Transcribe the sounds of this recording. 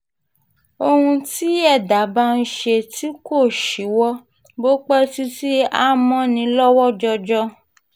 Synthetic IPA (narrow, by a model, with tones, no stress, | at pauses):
o˧hũ˧ti˨˦ɛ˦˨da˨˦ba˦n̩˧ʃe˧ti˦ko˦˨ʃi˨˦wɔ˦ | bo˦k͡pɛ˦si˦si˦a˦mɔ̃˦nĩ˧˦lɔ˦wɔ˦d͡ʒɔ˧d͡ʒɔ˧